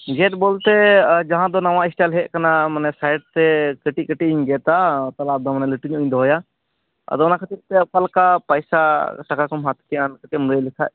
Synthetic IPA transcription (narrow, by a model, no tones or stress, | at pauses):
d͡ʒɛʈ̚bɔlt̪ɛd͡ʒaɦãd̪ɔnawãɛsʈalɦɛʔ̚kanamanɛsajɖ̚t̪ɛkəʈikəʈiiɲɡɛt̪at̪alad̪ɔmanɛləʈuɲɔ̃j̃d̪ɔɦɔja | ɐ̰d̪ɔɔnakət̪it̪ɛkalkapajsasakakɔmɦat̪kɛjankət̪ɛmɾəlisʰa̰ʔ̚